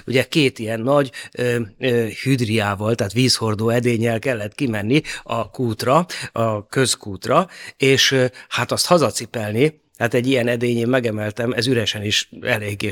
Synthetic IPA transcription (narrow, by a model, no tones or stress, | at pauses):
uɟɛkeːt̪ijɛnːɒɟøːøːhyd̪riaːvɒlt̪ɛɦːt̪ʋiːsho̞rd̪oːɛd̪eːɲːɛlkɛlːɛt̪kimɛnːiɒkuːt̪rɒɒkø̞skuːt̪rɒeːʃhat̪ɒst̪hɒzɒt̪sipɛlni | haːt̪ɛɟːijɛnɛd̪eːɲeːmmɛɡɛmɛlt̪ɛmɛzyɾɛʃɛniʃɛleːɡeː